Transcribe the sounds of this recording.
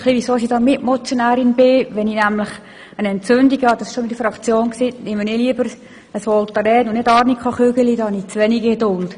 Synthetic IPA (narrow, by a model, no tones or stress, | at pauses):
χliʋisoːsidɑmɪtmɔt͡sjonæːɾɪnbɪʋɛninæmlɪχ | ənɛnt͡søndiɡhɑd̥ɑsɪ̥ʃomidəfɾɑkt͡sjoːnksiːnɪməneliəbəɾ | əsʋɔlt̪ɑɾɛːnʊnnedɑːɾnikχɑχøɡəlidɑhɑnit͡sʋɛniɡɡedʊlt